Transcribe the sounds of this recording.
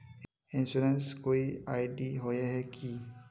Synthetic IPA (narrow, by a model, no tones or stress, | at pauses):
ɪ̃nsuɾənskoːiaːɪɖiɦoeɦɛki